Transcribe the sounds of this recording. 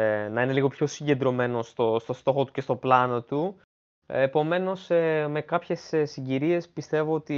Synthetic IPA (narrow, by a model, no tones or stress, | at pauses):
nɐine̞liɣo̞pço̞siɲɟe̞nd̪ɾo̞me̞no̞st̪ost̪o̞st̪o̞xo̞t̪u̥ce̞st̪o̞plɐno̞t̪u | epo̞me̞no̞sme̞kɐpçe̞ssiɲɟiɾie̞spist̪e̞voot̪i